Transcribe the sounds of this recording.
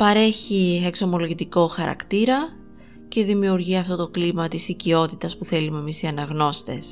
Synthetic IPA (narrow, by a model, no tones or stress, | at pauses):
pɐɾe̞çie̞kso̞mo̞loʝit̪iko̞xɐɾɐ̰kt̪iɾɐ | ce̞ðimiuɾʝiɐft̪o̞t̪o̞klimɐt̪isicio̞t̪it̪ɐspuθe̞lume̞misiɐnɐɣno̞st̪e̞s